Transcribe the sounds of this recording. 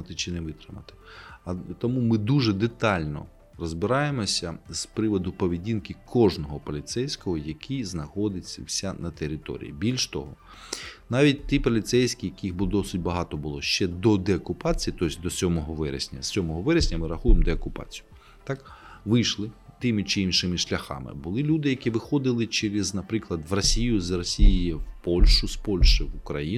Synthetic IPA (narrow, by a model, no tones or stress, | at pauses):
ɐt̪ɪt͡ʃɪnɛʋɪt̪ɾɪmɐ̰t̪ɪ̥ɐt̪ɔmumɪd̪uʒɛd̪et̪ɑlʲnɔ̰ | rɔzbɪɾɑjemɔsʲɐspɾɪʋɔd̪ʊpɔʋʲidʲinkɪkʰɔʒnɔɦɔpɔlʲit̪sɛjsʲkɔɦɔjɐkʲʰiznɐxɔd̪ɪt͡sʲːɐwsʲanɐt̪eɾʲɪt̪ɔ̰ɾʲḭjḭbʲilʲʃt̪ɔ̰ɦɔ | nɑʋʲit̚ʲt̪ipɔlʲit̪sɛjsʲkʲijɐkʲixbʊd̪ɔsɪtʲbɐɦɑt̪ɔbʊlˠɔʃt͡ʃɛd̪ɔd̪eɐkʊpɑt͡sʲijit̪ɔsʲd̪ɔsʲɔmɔɦɔʋɛɾḛsʲnʲɐ̰sʲsʲɔmɔɦɔʋɛɾesʲnʲɐmɪɾɐxujemd̪eokʊpɑ̰t͡sʲijʊ | t̪ɑkʋɪjʃlˠɪt̪ɪmɪt͡ʃɪinʃɪmɪʃlʲɐxɑ̰mɪ̰bʊlˠɪlʲud̪ɪjɐkʲiʋɪxɔd̪ɪlˠɪt͡ʃeɾɪznɐpɾɪklˠɐd̪ʋrɐsʲijʊzrɐsʲijɪjɪwpɔlʲʃʊspɔlʲʃɪʋʊkɾɐji